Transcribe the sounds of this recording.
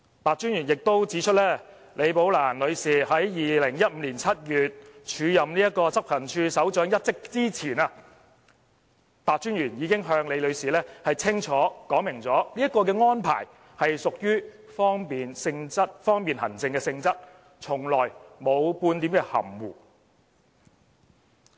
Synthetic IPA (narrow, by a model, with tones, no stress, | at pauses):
paː˨k̚t͡ʃyː˥njyː˨˩njɪ˨k̚t̪o˥wt͡si˨˥t͡ʃʰɵ˥t̚lɛː˥ | le˨˧jpo˨˥wlaː˨˩nlɵ˨˧ɥsiː˨˩ɦɐ˨˥jjiː˨lɪ˨˩ŋjɐ˥t̚m̩ː˨˧liː˨˩nt͡sʰɐ˥t̚jyː˨t̚t͡ʃʰyː˨˧jɐ˨mniː˥jɐ˥t̚kɔː˧t͡sɐ˥p̚hɐ˨˩nt͡ʃʰyː˧sɐ˨˥wt͡ʃœː˨˥ŋjɐ˥t̚t͡sɪ˥k̚t͡siː˥t͡sʰiː˨˩nɐː˧ | paː˨k̚t͡ʃyː˥nɥyː˨˩njiː˨˧kɪ˥ŋɦœː˧ŋle˨˧jlɵ˨˧ɥsiː˨lɛː˥hɐ˨jt͡sʰɪ˥ŋt͡ʃʰɔː˨˥kɔː˨˥mɪ˨˩ŋt͡sɔː˨˥li˥ɐ˥t̚kːɔː˧kɛː˧ŋɔː˥npʰa̰ː˨˩j | hɐ˨jsʊ˨k̚jyː˥ | fɔː˥ŋpiː˨nsɪ˧ŋt͡sɐ˥t̚fɔː˥ŋpiː˨nhɐ̰˨˩nt͡sɪ˧ŋkɛː˧sɪ˧ŋt͡sɐ˥t̚ | t͡sʰʊ˨˩ŋlɔː˨˩jmo˨˧wpuː˧nt̪i˨˥mkɛ˧hɐ̰˨˩mwuː˨˩